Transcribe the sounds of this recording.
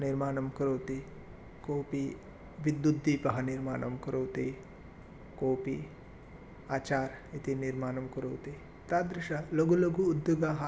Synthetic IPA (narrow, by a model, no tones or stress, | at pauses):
niɾmaːnɐmkɐɾoːt̪i | koːpi | ʋid̪ːud̪ːiːpɐɦɐniɾma̰ːnɐmkɐɾoːt̪i | koːpḭ | aːt͡ʃaːɾit̪iniɾmaːnɐmkɐɾoːt̪i | t̪aːd̪ɾɪʃɐloɡuloɡuːd̪juɡaːɦɐ